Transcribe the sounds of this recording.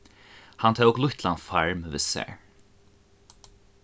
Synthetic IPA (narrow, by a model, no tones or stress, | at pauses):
hant̪ʰɛːvʊklʊht̪lanfaɹmvɪ̰sɛ̰ɹ